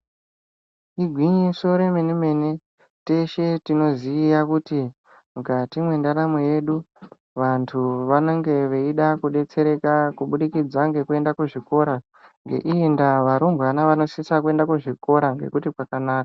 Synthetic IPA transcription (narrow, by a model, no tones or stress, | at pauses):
iɡʱwiɲiʂoɾemenime̞ne | te̞ʃe̞tino̞ziːjakuti | mukatimwe̞ndaɾamoje̞ɗu | ʋantʰuʋanoŋɡe̞ʋe̞iɗakuɗe̞t͡se̞ɾe̞kakuɓuɗikid͡zaŋɡe̞kue̞ndakuʐiko̞ɾa | ŋɡe̞̰ʔiendaʋaɾumbanaʋano̞sisakue̞ndakuʐiko̞ɾaŋɡe̞̰kutikwakanaːk̚ḁ